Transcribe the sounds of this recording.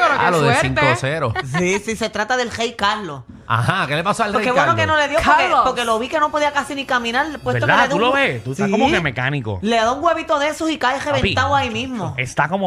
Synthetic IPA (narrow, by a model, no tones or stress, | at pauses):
loðeesɾiŋk̪oseɾosisise̞t̪ɾat̪aðe̞lrejkaɾlo | a̰hakelepasoalrekeβwwenokenoleðjopokepoɾke̞lo̞βike̞no̞po̞ðiakasinikamĩnaɾpweseɾt̪od̪keeeðuloβet̪usaikookemekaniko̰leðouŋɡwe̞βit̪o̞ðesosikajreβet̪aβoaimĩsmoest̪akomo